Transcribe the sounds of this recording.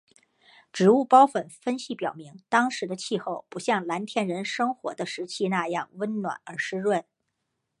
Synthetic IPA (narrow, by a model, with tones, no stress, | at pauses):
ʈ͡ʂɻ̩˨˩u˥˩pɑ˥ʊfə˨˩nfə˥nɕi˧˥˩pjɑ˨˩ʊmi˧˥ŋt̪ɑ˥ŋʂɻ̩˧˥d̪ə˧t͡ɕʰi˥˧xo˥˩ʊpu˧˥ɕjɑ˥˩ŋla˧˥nt̪ʰjɛ˥˩nɻə˧˥nʂɤ˥ŋxwɔ˧˥d̪ə˧ʂɻ̩˧˥t͡ɕʰi˥na˥˧jɑ˥˩ŋwə˥nnwa̰˨˩nə˞˧˥ʂɻ̩˥ɻwə˥˩n